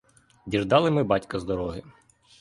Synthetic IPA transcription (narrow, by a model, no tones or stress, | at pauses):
dʲiʒd̪ɑlˠɪmɪbɑtʲkɐzd̪ɔɾɔɦɪ